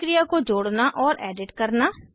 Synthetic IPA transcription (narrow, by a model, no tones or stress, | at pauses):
ɾijaːkõːd͡ʒoːɽnaːʔɔːɾɛːɖɪʈkəɾnaː